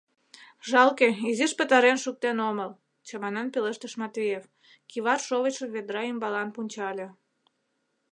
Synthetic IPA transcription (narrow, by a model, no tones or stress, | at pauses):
ʒɑlkeiziʃpət̪ɑɾenʃuk̚t̪enoməl | t͡ɕɑmɑnɑnpeləʃt̪əʃmɑt̪βʲijef | kiβɑrʃoβət͡ɕəβed̪ɾɑimbɑlɑnpunʲt͡ɕɑlʲe